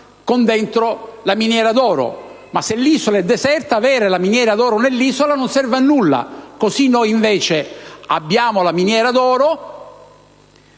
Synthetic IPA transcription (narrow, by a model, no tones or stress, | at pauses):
kond̪ɛnt̪ɾolaminjɛːɾad̪ɔːɾo̰ | maselːisolaɛd̪ːɛsɛrt̪aːvɛːɾelaminjɛːɾad̪ɔːɾonelːizolanonsɛrvanːulːa̰kosinːojiɱveːt͡ʃea̰bːjaːmolaminjɛːɾad̪ɔːɾo